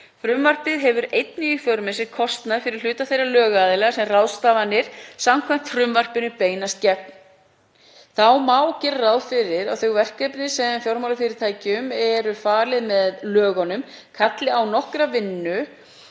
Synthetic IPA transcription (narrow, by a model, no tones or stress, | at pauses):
fɾʏmvar̥pɪðɦɛvʏɾejt̪niifɔwɾmɛsɪɾkʰɔst̪naðfɪɾɪɾ̥l̥ʏːt̪aθejralœːɣaːðɪlɛɣasɛmrawðst̪aːvanːɪɾ̥samkʰvajm̥t̪fɾʏmvar̥pɪnʏpeːjnast̪cɛpn | θawmawcɛɾrawðfɪɾɪɾawθʏɣvɛr̥kɛpnɪsɛfjowɾmawlafɪɾɪɾ̥t̪ʰaːjcʏmɛɾʏfaːɾlɪðmɛðlœːɣɔnʏmkʰat̪lɪawnɔhkɾavɪnːʏ